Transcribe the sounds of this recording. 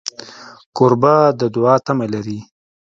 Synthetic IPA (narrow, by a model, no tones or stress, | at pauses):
koɾbad̪əd̪ʊɑːt̪amalaɾi